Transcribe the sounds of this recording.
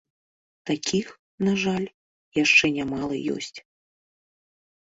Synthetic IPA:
t̪akʲʰix | naʐalʲ | jaʂt͡ʂɛnʲamalˠɨ̰jɔ̰sʲt͡sʲ

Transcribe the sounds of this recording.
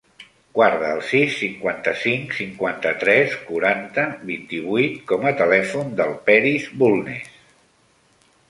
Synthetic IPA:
ɡ̥waɾðəːlˠsisːiŋkwant̪əsiŋksiŋkwant̪ət̪ɾɛskuɾant̪əβint̪iβ̞ujt̪̚kɔmət̪əlɛfund̪əlˠpɛɾizbulˠnḛs

